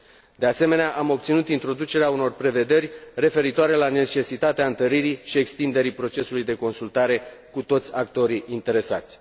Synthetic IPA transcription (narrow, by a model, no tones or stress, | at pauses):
d̪e̞ase̞me̞neaʔamo̞p̚t̪sinut̪int̪ɾo̞d̪ut͡ʃe̞ɾeauno̞rpɾe̞ve̞d̪e̞rʲre̞fe̞ɾit̪oaɾe̞lane̞t͡ʃe̞sit̪at̪eaɨnt̪əɾiɾiʃie̞kst̪ind̪e̞ɾipɾo̞t͡ʃe̞sulujd̪e̞ko̞nsult̪aɾe̞kut̪o̞t̪sʲak̚t̪o̞ɾiʔint̪e̞ɾe̞sa̰t̪sʲ